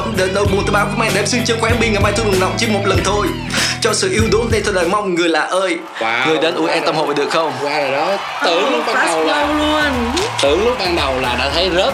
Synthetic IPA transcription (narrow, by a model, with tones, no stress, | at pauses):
ə˨˧˦ŋ͡mɗe˨˦nɗə˧jɓu˨˩ənt̪ɨ˨˦ɓaː˧vjmaː˧˩ɗe˨˩msɨ˧ŋt͡ɕɨ˧əxwɛ˨˦mɓi˧ŋ˨˩maː˧jt̪ʰu˧˩ŋ˨˩na̰˨˩wŋ͡m̚t͡ɕɨ˧˥əmo˨˩t̚lə˨˩nt̪ʰo˧j | t͡ɕɔ˧sɨ̰˧˨ʔi˧əwɗo˨˦nna˧jt̪ʰo˧˩ɗəː˨˩jma˧wŋ͡mŋɨ˨˩əjlaː˨˩ʔəː˧j | ŋɨ˨˩əjɗa˨˦nʔu˧˩ə˦ʔɛ˧t̪ə˧mho̰˨˩va˨˩ɗɨ̰˧˨ək̚xə˧wŋ͡mɔ˨˦ | t̪ɨ˧˩əŋlʊ˦˥k͡p̚ɓaː˧ɗə˨˩wə˧wlu˧ənt̪ɨ˧˩əŋlʊ˦˥k͡p̚ɓaː˧ŋɗə˨˩wlaː˨˩ɗa̰ː˧˥t̪ʰə˨˦jzə˦˥